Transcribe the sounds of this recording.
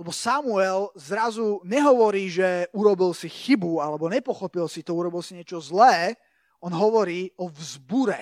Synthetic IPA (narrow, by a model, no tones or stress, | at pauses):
lɛbɔsamuɛlzɾazuɲɛɦɔʋɔɾiːʒɛuɾɔbilsixibualɛbɔɲɛpɔxɔpilsit̪ɔuɾɔbilsiɲɪɛt͡ʃɔzlɛː | ɔnɦɔʋɔɾiːɔvzbuɾɛ